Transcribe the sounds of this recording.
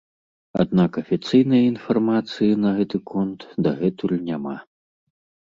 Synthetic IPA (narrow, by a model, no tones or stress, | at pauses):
a̰d̪nakɐfʲit̪sɨjnɐjɐinfarmat̪sɨjinɐɣɛt̪ɨkʰɔnt̪d̪ɐɣɛt̪ulʲnʲama̰